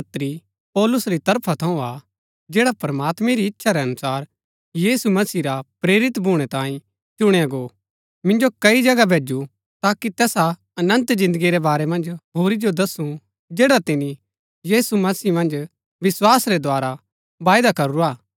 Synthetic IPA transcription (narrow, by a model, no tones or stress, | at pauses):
ɐt̪ɾi | pɔːlʊsɾit̪ɐɾpʰat̪ʰɐũa | d͡ʒɛːɽapɐɾɐmaːt̪mẽɾiɪtːʃʰaɾɛɐnʊsaːɾ | jiːsumɐsiɾapɾeːɾɪt̪bʱuːɽ̃ɛt̪ãːĩ | t͡ʃʊɽ̃eɐɡoː | mɪ̃nd͡ʒokɐid͡ʒɐɡabʱeːd͡ʒu | t̪aːkit̪ɛːsa | ɐnə̃nt̪zɪ̃nd̪əɡiɾɛbaːɾɛmɐ̃nd͡ʒɦoːɾid͡ʒod̪ɐsũ | d͡ʒeːɽat̪ɪni | jiːsumɐsiːmɐ̃nd͡ʒ | ʋɪswaːsɾed̪waːɾa | baːjd̪akɐɾuɾaː